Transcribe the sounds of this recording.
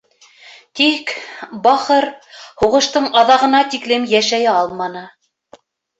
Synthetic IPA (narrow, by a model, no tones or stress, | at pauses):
t̪ikbɑχɤɾhuʁɤ̆ʃt̪ɤɴɑðɑʁɤ̆nɑt̪iklɘmjæʃæjɘɑlˠmɑnɤ